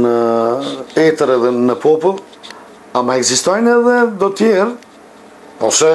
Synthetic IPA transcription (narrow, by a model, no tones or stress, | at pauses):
nə | ɛt̪əɾɛðɛnəpʰɔpulˠ | amaɛɡzist̪ɔjnɛðɛd̪ɔt̪jɛɾ | ɔsɛ